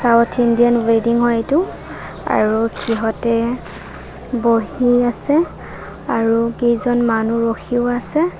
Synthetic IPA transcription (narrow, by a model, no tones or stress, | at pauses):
sawtʰindijanwediŋɦɔjetʊ | a̰ɹukʰiɦɔtɛ | boɦiasɛ | aɹukejzɔnmanuɹoxʰiʊasɛ